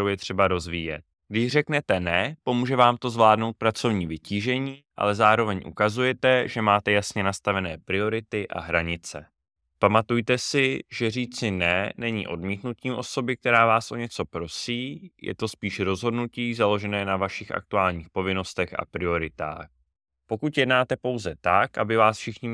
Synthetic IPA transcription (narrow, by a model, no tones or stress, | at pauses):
owjɛt̪r̥ɛbaɾo̞zviːjɛ̰t̪̚ | ɡdɪʃrɛknɛt̪ɛnɛpo̞muːʒɛvaːmt̪o̞zvlaːdno̞wt̪̚pɾat͡so̞vɲiːvɪciːʒɛɲiːʔa̰lɛzaːɾo̞vɛɲʔṵkazujɛt̪ɛʒɛmaːt̪ɛjasɲɛnast̪avɛnɛːpɾɪo̞ɾɪt̪ɪʔa̰ɦɾaɲɪt͡sɛ̰ | pamat̪ujt̪ɛsɪʒ̥ɛriːt͡sɪnɛnɛɲḭːʔo̞dmiːt̪nut̪tiːmʔo̞so̞bɪk̚t̪ɛɾaːvaːsʔo̞ɲɛt͡so̞pɾo̞siːjɛ̰t̪o̞spiːʃɾo̞zɦo̞dnuciːzalo̞ʒɛnɛːnavaʃɪxʔa̰k̚t̪uaːlɲiːxpo̞vɪno̞st̪ɛxa̰pɾɪo̞ɾɪt̪a̰ːx | po̞kut̪jɛdnaːt̪ɛpo̞wzɛt̪akʔa̰bɪvaːsfʃɪxɲɪ